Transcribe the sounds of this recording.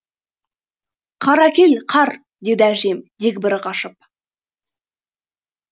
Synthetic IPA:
qʰɑɾækʲe̞lqʰɑɾ | d̪e̞d̪ɪæʒe̞md̪̥ekʲbɪɾɪqɑʃəp̚

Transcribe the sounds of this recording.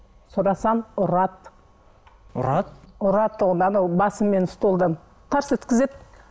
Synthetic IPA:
sʊɾɑsɑnʊɾɑt̪ | ɾɑt̪ʊɾɑt̪ʰːʊʁd̪ɑnɑwbɑsəmːe̞nʊst̪olˠd̪əm | q̪ʰɑɾsəɵt̪kʲɪzet̪̚

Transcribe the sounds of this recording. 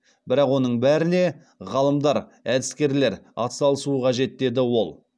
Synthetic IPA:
b̥ɪɾɑqwo̞nəɴbæɾɪne̞ | ʁɑlˠəmd̪ɑɾæd̪ɪskʲe̞ɾle̞ɾɑ̰t̪sɑlˠəsuəqʰɑʒe̞t̪̚d̪e̞d̪ɪwo̞lˠ

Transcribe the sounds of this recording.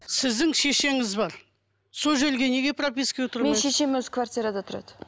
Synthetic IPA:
sɪzd̪ɪŋʃe̞ʃe̞ŋɪzbɑɾ | soʒelɡʲe̞ne̞ɡʲe̞prop̬ʲisket̪ʰʊɾmenʃe̞ʃe̞mwɵzkʰvart̪ʲijɾad̪at̪ʰʊɾɑ̰d̪ə

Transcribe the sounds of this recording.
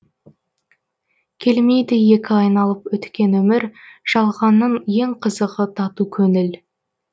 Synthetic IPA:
kʲʰe̞lmejd̪ɪje̞kʲɪɑjnɑlˠəpwɵt̪kʲe̞nwɵmɪɾʒ̥ɑlˠʁɑnːəɴje̞ŋqʰəzəqət̪ʰɑt̪ukʲʰɵnɪl

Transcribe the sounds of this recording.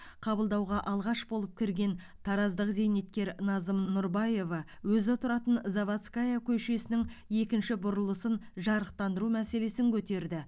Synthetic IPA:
qʰɑbəlˠd̪ɑwʁɑʔɑlˠʁɑʃbo̞lˠəp̚kʲʰɪɾɡʲe̞n | t̪ʰɑɾɑzd̪əqze̞jne̞t̪̚kʲe̞ɾnɑzəmnʊɾbɑje̞vɑ | wɵzɪt̪ʰʊɾɑt̪ənzavat̪skajakʲʰɵʃe̞sɪnɪŋe̞kʲɪnʃɪbʊɾəlˠəsənʒɑɾəq̚t̪ɑnd̪əɾumæse̞le̞sɪŋkʲʰɵt̪e̞ɾd̪ɪ

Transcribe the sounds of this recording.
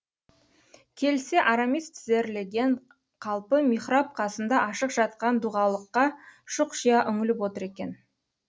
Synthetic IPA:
kʲʰe̞lse̞ʔaɾamist̪ʰɪze̞ɾle̞ɡʲe̞ɴ | qʰɑlˠpəmiχrap̚qʰɑsənd̪ɑʔɑʃəqʒ̥ɑt̪̚qɑnd̪uʁɑlˠəqːɑʃʊqʃijɑʔʏŋɪlɪpwo̞t̪əɾe̞kʲe̞n

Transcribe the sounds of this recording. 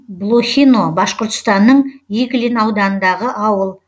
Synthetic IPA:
blˠoxʲino̞bɑsqoɾt̪ə̥st̪ɑnːəɴjeɡʲlinɑwd̪ɑnənd̪ɑʁəʔɑwəlˠ

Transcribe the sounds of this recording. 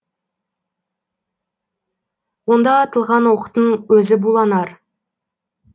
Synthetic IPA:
wo̞nd̪ɑːt̪əlˠʁɑnwoqət̪əɴwɵzɪbulˠɑnɑɾ

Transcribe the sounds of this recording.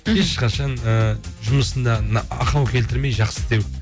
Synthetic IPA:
eʃqɑʃɑnəʒʊməsənd̪ɑnɑqɑwkʲʰe̞lt̪ɪɾme̞jʒɑqsəd̪e̞w

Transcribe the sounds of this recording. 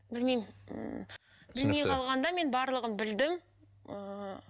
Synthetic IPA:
bɪlmejm | bɪlmejqʰɑlˠʁɑnd̪ɑme̞nbɑɾlˠəʁənbɪld̪ɪm | ə

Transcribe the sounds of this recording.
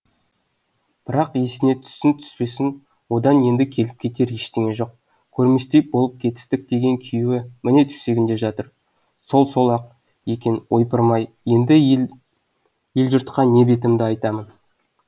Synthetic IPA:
b̥ɪɾɑqje̞sɪne̞t̪ʰʏ̥sɪnt̪ʰʏ̥spe̞sɪŋ | wo̞d̪ɑnje̞nd̪ɪkʲʰe̞lɪp̚kʲʰe̞t̪e̞ɾje̞ʃt̪eŋe̞ʒo̞q̚ | kʲʰɵɾmest̪e̞p̚bo̞lˠəp̚kʲʰe̞t̪ɪ̥st̪ɪk̚d̪e̞ɡʲe̞ŋkʲʰijuwɪmɪne̞t̪ʰʏ̥se̞ɡʲɪnd̪e̞ʒɑt̪əɾ | so̞lˠso̞lˠɑq̚ | jekʲenwo̞jpəɾmɑj | je̞nd̪ɪ | jelʒʊɾt̪qɑne̞be̞t̪̬ɪmd̪ɪɑjt̪ɑmən

